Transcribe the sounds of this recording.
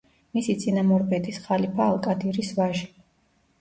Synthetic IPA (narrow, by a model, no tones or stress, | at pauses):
misit̪sʼinamɔɾpʼɛd̪isχalipʰaːlˠkʼad̪iɾisvaʒi